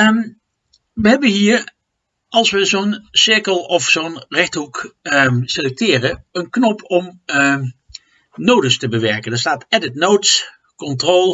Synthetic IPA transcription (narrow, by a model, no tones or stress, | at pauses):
m | ʋəɦɛbənɦiːəɹ | ɑlˠsʋəzownsɪɹkəlˠɔfsonrɛχtɦuk | selɛk̚tɪːrəənknɔpʰɔm | nowdəstəbəʋɛɹkəndaːɹstaːtɛdɪtnowts | kɔntrolˠ